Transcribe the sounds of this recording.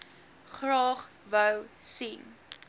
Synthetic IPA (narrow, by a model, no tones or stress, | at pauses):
χrɑːχvəwsin